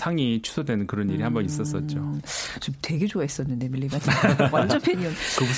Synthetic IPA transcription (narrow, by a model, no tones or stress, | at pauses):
sʰaŋit͡ɕʰu̥sʰodwenɯnkɯɾʌniɾihambʌnis͈ʌs͈ʌt̚t͡ɕ͈ot͡ɕomtwe̞ɡe̞d͡ʑoais͈ʌnːɯnde̞miʎːiɡateawand͡ʑʌnpʰeɲʌnkɯbu